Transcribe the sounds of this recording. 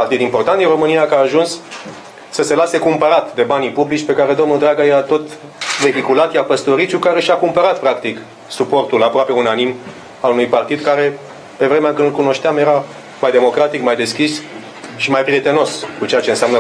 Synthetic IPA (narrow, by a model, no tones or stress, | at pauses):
part̪id̪impo̞rt̪ant̪inro̞mɨnijakaːʒuns | səse̞lase̞kumpəɾat̪d̪e̞banipublit͡ʃʲpe̞kaɾe̞d̪o̞mnud̪ɾaɡajeɾat̪o̞t̪ | ve̞ɦikulat̪japəst̪o̞ɾit͡ʃukaɾe̞ʃiakumpəɾat̪̚pɾakt̪ik | supo̞rt̪ulapɾoape̞unanim | alunujpart̪id̪kaɾe̞ | pe̞vɾe̞meaɨkɨnlkuno̞ʃt̪eamje̞ɾa | majd̪e̞mo̞kɾat̪ikmajd̪e̞skʲis | ʃimajpɾie̞t̪e̞no̞skut͡ʃe̞jat͡ʃeɨnseamnə